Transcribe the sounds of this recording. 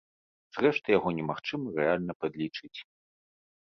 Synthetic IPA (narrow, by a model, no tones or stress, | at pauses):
z̥rɛʂt̪ɨjaɣɔnʲɛmaxt͡ʂɨmɐrɛalʲnɐpɐd̪lʲit͡ʂɨt͡sʲ